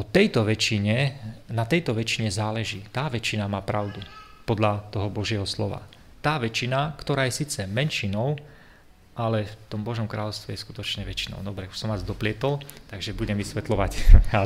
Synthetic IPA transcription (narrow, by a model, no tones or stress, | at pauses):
ɔt̪ɛjt̪ɔʋɛt͡ʃiɲɛnat̪ɛjt̪ɔʋɛt͡ʃiɲɛzaːlɛʒiːt̪aːʋɛt͡ʃinamaːpɾaʊd̪u | pɔd̪lat̪ɔɦɔbɔʒɪɛɦɔslɔʋa̰ | t̪aːʋɛt͡ʃinakt̪ɔɾaːjɛsiːt͡sɛmɛnʃinɔʊ | ʔalɛft̪ɔmbɔʒɔmkɾaːlɔʊst̪ʋɛjɛsku̥t̪ɔt͡ʃɲɛʋɛt͡ʃinɔ̰ʊd̪ɔbɾɛu̥sɔmazd̪ɔplɪɛt̪ɔlt̪aɡʒɛbuɟɛmʋisʋɛt̪lɔʋaca